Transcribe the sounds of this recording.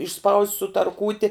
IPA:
ɪʃˈspɐʊsʲtʲ sʊtɐrˈkuːtʲɪ

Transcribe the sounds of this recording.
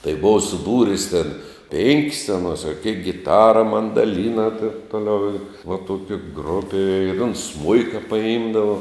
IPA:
tɐɪ ˈboːʋɐ sʊˈbuːrʲɪs tʲeːn ˈpʲeːŋʲkʲɪs ɐˈnoːs ɐ kʲeːk ɡʲɪˈtɑːrɐ mɐndɐˈlʲiːnɐ tʲeːn ˈtoːˌlʲɛʊ ɪ ʋɐ ˈtuɔkʲɪ ˈɡrʊpʲɪ ɪr ʊns ˈsmʊɪkɐ pɐˈɪmdɐʋɐ

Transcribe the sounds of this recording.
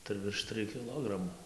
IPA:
tɐɪ ʋʲɪrʃ ˈtrɨj kʲɪˈlˠoːɡrɐmuː

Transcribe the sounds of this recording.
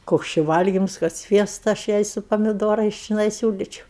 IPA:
ˈkoːks t͡ʃʲɪ ˈʋɐlʲɡʲɪms kɐt ˈsʲʋʲiɛstɐ ɐʃ ˈjɛɪ sʊ pɐmʲɪˈdoːrɐɪs t͡ʃʲɪˈnɐɪ ˈsʲuːlʲiːt͡ʃʲɛʊ

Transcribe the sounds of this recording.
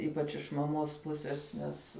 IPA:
ˈiːpɐt͡ʃ ɪʃ mɐˈmoːs ˈpʊsʲɛs ˈnʲɛs

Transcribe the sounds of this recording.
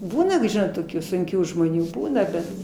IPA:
ˈbuːnɐ toːˈkʲuː sʊŋʲˈkʲuː ʒmoːˈnʲuː ˈbuːnɐ bʲɛt

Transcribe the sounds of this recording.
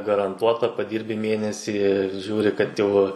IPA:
ɡɐrɐnˈtuɔtɐ pɐˈdʲiːrʲbʲɪ ˈmʲeːnʲɛsʲiː ɪr ˈʒʲuːrʲɪ kɐt ˈjɛʊ

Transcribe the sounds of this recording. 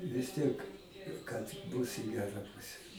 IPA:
ʋʲɪs ˈtʲiɛk kɐt ˈbʊs ɪ ˈɡʲæːrɐ ˈpʊsʲɛ

